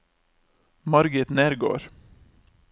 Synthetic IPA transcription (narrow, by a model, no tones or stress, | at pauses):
mɑɾɡɪt̪neːɾɡo̰ːɾ